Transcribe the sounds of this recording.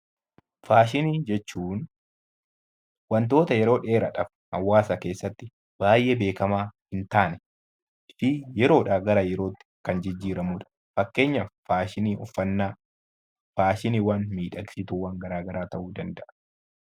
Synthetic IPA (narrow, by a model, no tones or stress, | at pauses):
faːʃ̬ɪniːd͡ʒɛt͡ʃːuːn | wɐnt̪̬o̞ːt̪ɐjɛɾo̞ːᶑe̞ːɾɐᶑɐf | hɐwːaːsɐke̞ːsːɐt̪ːɪ | b̥aːjʔebe̞ːkɐmaːhɪnt̪aːnɛ | fɪjɛɾo̞ːᶑaːɡɐɾajɛɾo̞ːt̪ːɪ̥kɐnd͡ʒɪd͡ʒːiːɾɐmuːᶑɐ̥ | fɐkːe̞ːɲːɐfaːʃɪniːʔɔfːɐnːaː | faːʃɪniːwɐnmiːᶑɐɡsɪt̪uwɐŋɡɐɾaːɡɐɾaːt̪ɐʔuːd̪ɐnd̪ɐʔɐ̥